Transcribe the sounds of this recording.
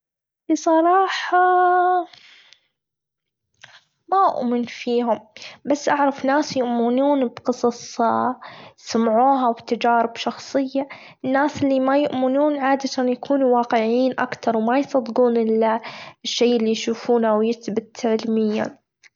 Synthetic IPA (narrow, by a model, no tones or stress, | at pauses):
lisˤɑɾˤɑːħɑ | maʔʊ̰ʔmɪnfiːɦʊmbasːʔaʕɾˤɑfnaːsjʊʔmɪnuːnbqɨsˤɑsˤ | samʕuːɦawbt̪ad͡ʒaːɾɪbʃɑxsˤɨjːa | ɪnːaːsɪlːimajʊʔmɪnuːnʕaːd̪at̪anjakʰuːnuwɑːqɪʕiːnʔa̰kt̪ɑɾˤwmajsˤɑd̪ɡuːnɪlɪʃːejʔɪlːijʃuːfuːnawjɪt̪bɪt̪ʕɪlmɪjːa̰n